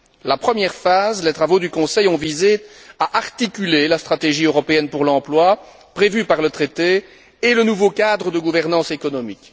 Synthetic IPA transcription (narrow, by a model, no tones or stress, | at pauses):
lapχəmjɛʁfazlet̪χavod̪ykɔ̃sɛjɔ̃vize | aʔaʁt̪ikʲylelast̪χat̪eʒiøʁɔpeɛnpuʁlɑ̃plwa | pχevypaʁlət̪χet̪eː | lənuvokad̪ʁəd̪əɡuvɛʁnɑ̃sekɔnɔmik